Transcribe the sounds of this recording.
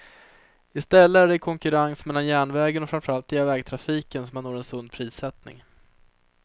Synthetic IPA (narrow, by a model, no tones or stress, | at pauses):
ɪst̪ɛlːəæɖɛkʰɔŋkɵɾansmɛlːanjæːɳvɛːɡənɔfɾamfəɾalt̪̚ɪavɛːɡ̚t̪ʰɾafiːkənsɔmanːoːɾɛnsɵnd̪̚pʰɾiːsɛt̪nɪ̰ŋ